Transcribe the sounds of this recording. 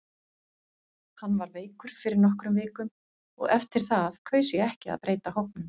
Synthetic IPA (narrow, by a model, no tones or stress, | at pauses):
hanːvaɾveːjkʏɾ̥fɪɾɪɾnɔhkɾʏmvɪːkʏm | ɔ̰ɣɛft̪ɪɾ̥θaðkʰvœːɥsjɛɣɛhcɪa̰ðpɾeːjt̪ahowhknʏm